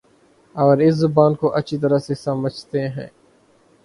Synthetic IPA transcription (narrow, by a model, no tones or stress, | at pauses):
ɔːɾɪszʊbaːnkoʔətːʃʰit̪̬əɾasesəməd͡ʒʱt̪eɦɛ̰̃ː